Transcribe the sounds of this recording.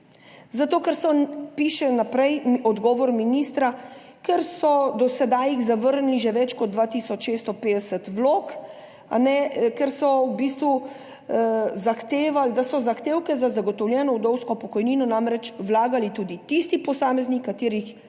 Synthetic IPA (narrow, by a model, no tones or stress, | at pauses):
zat̪oːkɛɾsɔpiʃɛnapɾɛjɔd̪ɡɔːʋɔɾminiːst̪ɾa | kɛɾsɔd̪ɔsɛd̪aːjiɣzaʋəɾnliʒɛʋɛt͡ʃkɔd̪̚d̪ʋat̪iːsɔt͡ʃʃest̪ɔpeːd̪ɛsət̪ʋloːk | a̰nɛkɛɾsɔwbiːst̪ʋu | zaxt̪eːʋald̪asɔzaxt̪eːwkɛzazaɡɔt̪ɔwljɛːnɔuwd̪ɔwskɔpɔkɔjniːnɔnamɾɛt͡ʃwlaːɡalit̪uːd̪it̪ist̪ipɔsaːmɛznikːat̪iːɾix